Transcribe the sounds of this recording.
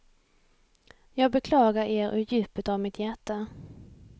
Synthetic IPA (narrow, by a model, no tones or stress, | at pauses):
jɑːɡ̚bɛkʰlɑːɡaɾeːɾʔɵ̰jʉ̟ːpət̪avmɪt̪ʰjæʈːa